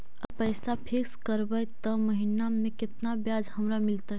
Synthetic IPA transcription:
əpəjsapʰikskəɾbəjt̪ɔməɦinamẽkɪt̪nabjaːd͡ʒhəmɾamɪlt̪aɦɛ

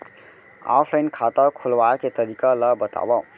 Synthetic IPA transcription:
a̰pʰlajnkʰat̪əɾkʰulʋaket̪əɾikalʌbət̪a̰ba

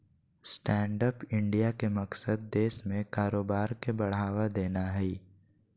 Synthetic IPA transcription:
sʈɛ̃ːɳɖəpɪ̃ɳɖijakemɐksəd̪ːeːʃmẽkaːɾoːbaːɾkebɐɽ̤aːʋad̪eːnaɦɛi

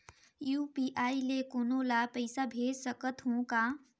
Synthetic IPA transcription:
juːpiʔaːilekoːnolapɐɪsabʱeːd͡ʒsəkət̪ɦõka

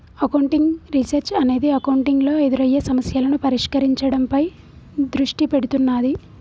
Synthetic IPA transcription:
ɐkɐwɳʈiŋɡɾisɐɾt͡ʃɐne̞ːd̪iɐkɐwuɳʈiŋɡlo̞ːed̪uɾɐjːɐsɐmɐsjɐːlɐnupɐɾiʂkɐɾiɲt͡ʃɐɽɐmpɐj | d̪ɾuʂʈipeɽut̪unːaːd̪i

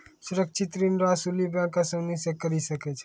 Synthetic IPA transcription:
sʊɾək̚t͡ʃʰit̪ɾinɾasulibjãkasəwnisekːəɾiʃəket͡ʃʰe

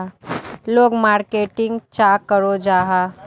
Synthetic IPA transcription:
loːɡmaːɾkeːʈɪ̃ŋɡt͡ʃaːkəɾod͡ʒaːɦa

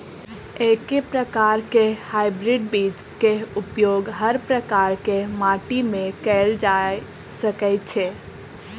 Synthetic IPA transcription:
ekepɾəkaɾkehajbɾiɖbid͡ʒ | keupjoɡɦəɾpɾəkaɾkemaʈimẽkɛld͡ʒa | səkəjt̪̚t͡ʃʰe

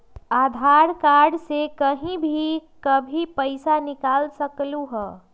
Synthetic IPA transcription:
aːd̪ʱaːɾkaːɾɖsekəɦĩbʱikəbʱipəɪsanɪkaːlsəkluɦɛː

